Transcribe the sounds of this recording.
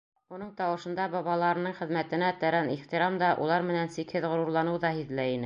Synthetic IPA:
unɤɴt̪ɑwɤ̆ʃɤ̆nd̪ɑbɑβɑlˠɑɾɤ̆nɤɴχɘ̆ðmæt̪ɘ̆næt̪æɾæniχt̪iɾɑmd̪ɑʔṵlˠɑɾmɘ̆nænsikhɘðʁŏɾuɾlˠɑnɤwðɑhiðlæinɘ

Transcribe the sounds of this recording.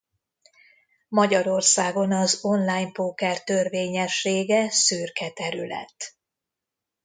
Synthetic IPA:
mɒɟɒɾo̞rsaːɡo̞nɒzo̞nlaːjmpoːkɛrt̪ørveːɲɛʃːeːɡɛsyːrkɛt̪ɛɾylɛ̰t̪ː

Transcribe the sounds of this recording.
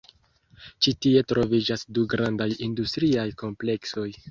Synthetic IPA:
t͡ʃitie̞tɾo̞vid͡ʒasduɡɾandajindustɾiajko̞mple̞kso̞j

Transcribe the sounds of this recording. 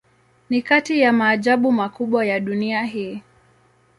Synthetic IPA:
nikatijamaːʄaɓumakuɓwajaɗuniaɦiː

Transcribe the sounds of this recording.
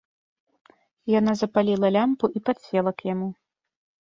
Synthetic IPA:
janazɐpalʲilˠɐlʲampuʔipat̪sʲɛlˠɐkjamu

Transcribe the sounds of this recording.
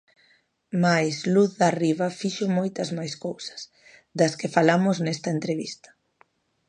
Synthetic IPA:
majsluθðɐriβɐfiʃʊmojt̪ɐzmajskowsɐ̥s | d̪ɐskɪfalamʊznɛst̪ɐent̪ɾeβist̪ɐ̥

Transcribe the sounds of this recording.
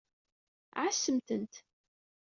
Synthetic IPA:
ʕasːəmt̪ənt̪

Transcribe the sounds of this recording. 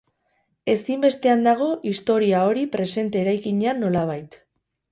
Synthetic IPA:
e̞simbe̞st̪e̞and̪aɣ̞o̞ʔist̪o̞ɾiao̞ɾipɾe̞se̞nt̪e̞ːɾajkiɲeanːo̞laβ̞ajt̪

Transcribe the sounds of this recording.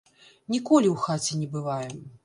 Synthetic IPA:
nʲikɔlʲiwxat͡sʲɛnʲɛbɨvajɛm

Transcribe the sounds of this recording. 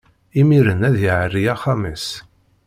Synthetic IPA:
imiɾənæðjiʕərːiaχaməs

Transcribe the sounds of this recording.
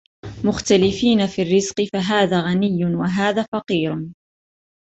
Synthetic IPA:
mʊxt̪alɪfiːnafiːrːɪzqɨfaɦaːðaːɣanɪjːʊnwaɦaːðaːfɑqiːɾʊ

